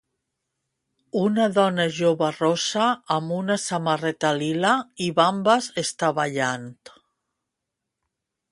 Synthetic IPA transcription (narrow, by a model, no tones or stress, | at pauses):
unaðɔnaʒoβarosaːmunasamarɛt̪alilaiβambazest̪aβaʎant̪